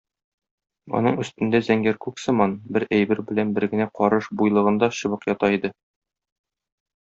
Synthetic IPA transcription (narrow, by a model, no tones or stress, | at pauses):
ɒ̰nɤɴɵ̆st̪ɘ̆nd̪æzæŋɡæɾkʉksɤ̆mɑnbɘɾæjbɘɾbɘ̆lænbɘ̆ɾɡɘ̆næqɒɾɤʃbujlˠɤ̆ʁɤ̆nd̪ɑɕɤ̆βɤqjɒt̪ɑid̪ɘ